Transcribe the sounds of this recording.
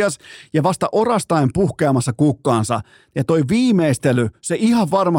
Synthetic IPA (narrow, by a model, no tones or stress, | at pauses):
ɑsjɑʋɑst̪ɑʔorɑst̪ɑimpuhkeɑmɑsːɑkukːɑːnsɑ̰ | jɑt̪oiʋiːmeist̪elyseʔihɑʋʋɑrmɑ